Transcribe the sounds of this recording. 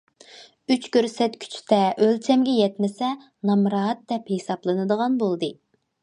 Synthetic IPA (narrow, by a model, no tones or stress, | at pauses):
yt͡ʃkʲʰøɾsɛt̪kʲʰy̥t͡ʃʰy̥t̪ɛʔølt͡ʃʰɛmɡʲɛjɛt̪mɪsɛ | nɑmɾɑːt̪̚d̪ɛphesɑplˠɨnɨd̪əʁɑnbolˠd̪ɨ